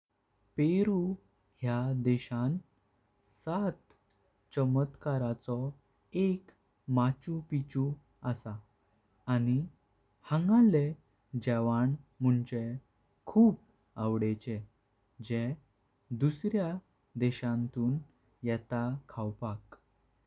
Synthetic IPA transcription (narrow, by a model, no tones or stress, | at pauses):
peɾu | ɦjad̪ɛɕan | sat̪ | t͡ɕəmət̪kaɾat͡sɔ | ek | mat͡ɕũpit͡ɕũ | əsaː | ni | hə̃ŋɡale | d͡ʑɛʋaɳm̤uɳt͡ɕe | kʰuːp̚ | awɽet͡ɕe | d͡ʑẽ | d̪usɾja | d̪ɛɕãnt̪uːn | jɛt̪akʰawpak